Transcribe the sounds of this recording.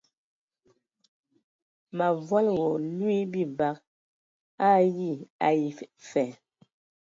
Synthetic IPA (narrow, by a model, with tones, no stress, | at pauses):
ma˨vwa˦lɣɔ˨lwi˦bi˦˨ba˦k̚ | a˦ɣi˦˨a˨i˨fɛ˨